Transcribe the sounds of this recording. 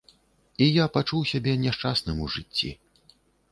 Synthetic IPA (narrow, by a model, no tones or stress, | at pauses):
ijapat͡ʂuwsʲabʲɛnʲɛʂt͡ʂasnɨmuʐɨt͡sʲːḭ